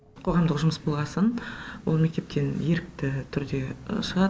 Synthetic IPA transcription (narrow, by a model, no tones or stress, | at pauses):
qʰo̞ʁɑmd̪əqʒʊməsbolˠʁɑsənwolˠme̞k̚t̪e̞p̚t̪ʰe̞nje̞ɾɪk̚t̪ɪt̪ʰʏɾd̪e̞ʃəʁɑ